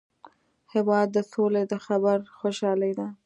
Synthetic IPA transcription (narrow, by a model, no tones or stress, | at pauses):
hɪwɑd̪̚ːəsoled̪əxabaɾxoʃɑlajd̪a